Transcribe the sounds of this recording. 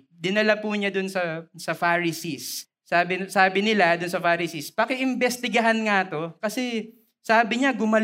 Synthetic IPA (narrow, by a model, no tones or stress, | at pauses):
d̪ɪnɐlɐpuːɲad̪ʊnsɐsɐfaɹɪsisː | aːbɪsaːbɪnɪlad̪ʊnsɐfaːɾɪsispɐkɪʔɪmbɛst̪ɪɡɐɦanŋaɐt̪o̞kɐsɛ | saːbɪɲaɡʊmɐl